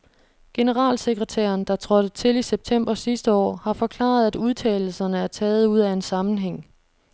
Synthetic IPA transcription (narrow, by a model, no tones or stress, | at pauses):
ɡ̥e̝nəʁɑ̰̈ːlse̝ɡ̥ʁɛt͡sʰæ̰ːɐnd̥ɑ̈t͡sʰʁɒ̽d̥ət͡sʰe̝liseb̥̚t͡sʰem̰b̥ɐsisd̥əɒ̰ːhɑ̈fɒ̽kʰlɑ̰̈ːð̞̩ˠæduð̞ˠt͡sʰɛ̰ːɪl̩sɐnəæɐt͡sʰɛːð̞̩ˠuð̞̰ˠæe̝nsɑ̈mn̩ɦeŋ̰